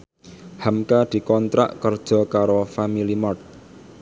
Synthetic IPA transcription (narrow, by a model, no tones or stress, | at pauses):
hamkad̪̥i̤kɔnt̪ɾa̰ʔkərd̥ʒ̥ɔ̤kaɾofamilimɔrt̪̚